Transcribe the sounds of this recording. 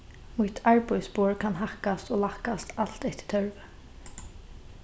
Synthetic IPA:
mʊht̪ʰaɹpɔjspoːɹkʰanɦahkast̪oːlahkast̪al̥t̪ɛht̪ɪ̥t̪ʰœɹvɪ

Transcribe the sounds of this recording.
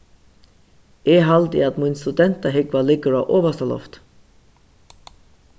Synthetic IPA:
eːɦɑld̪ɪ̰ɑt̪munst̪ʉd̪ɛnt̪ɑɦɪɡʋalɪɡəɾaʔoːʋəst̪ɑlɔ̰ft̪

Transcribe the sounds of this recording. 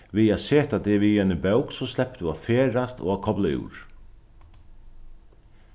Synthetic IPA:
viaðseːt̪at̪ɛvijanɪbœwksɔslɛpt̪uafeːɾast̪ɔ̰ɣakʰɔplaɪ̰wɾ̥

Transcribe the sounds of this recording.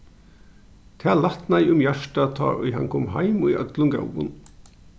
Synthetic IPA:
t̪ʰɛːlaht̪najʊmjaʂʈat̪ʰɔ̰ːʊ̰jɦa̰nkʰɔːmɦa̰jmʊjœ̰t̪lʊŋɡa̰wʋʊ̰n

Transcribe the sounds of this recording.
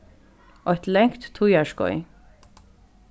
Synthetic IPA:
ʔɔht̪lɛŋkt̪ːʰujaʃkɔ̰ʏ

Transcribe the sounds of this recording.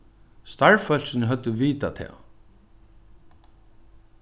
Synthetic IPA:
st̪aɹfœl̥sɪnəɦœt̪ːəʋiːt̪at̪ʰɛ̰ː

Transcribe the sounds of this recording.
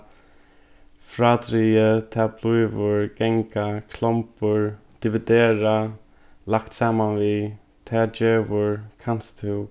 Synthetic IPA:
fɾaːt̪ɾiːət̪ʰaːblujvʊɹɡ̥ɛŋkakʰlɔmpʊɹ | d̪̥ɪvɪd̪eːɹa | lakt̪saːmanvi | t̪ʰaːd͡ʒeːvʊɹkʰan̥st̪ʰɪw

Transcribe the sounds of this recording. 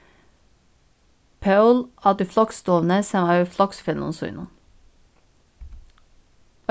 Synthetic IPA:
pʰɑʉlɑːd̪iːflɑkst̪oːʋn̩əsɛmɑːɾflɑksfɛnʊ̰nsʉ̰ːnən

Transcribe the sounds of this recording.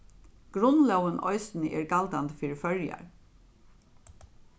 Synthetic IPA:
ɡ̥ɾʊnlœwənʔɔ̰ʏsnəʔeːɹɡald̪and̪əfiːɾəfœɹja̰ɹ

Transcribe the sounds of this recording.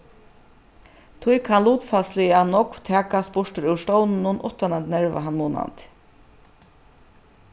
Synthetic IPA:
t̪ʰujkʰanluːt̪faslɪanɔkv̥t̪ʰɛːkaspʊʂtɪɾʉwʂt̪ɔwnɪnʊnʔʊ̰ht̪anɛnt̪nɛɹʋa̰ɦanmuːna̰nt̪

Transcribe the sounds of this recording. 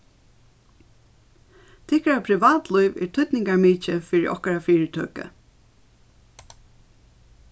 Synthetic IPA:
t̪ʰɪhkaɾapʰɾɪʋaːt̪lɔjʋɛ̰ɹt̪ʰʏt̪nɪŋkaɹmiːt͡ʃəfiːɹɪʔɔ̰hkaɾafiːɹɪt̪ʰœ̰ːkə̰

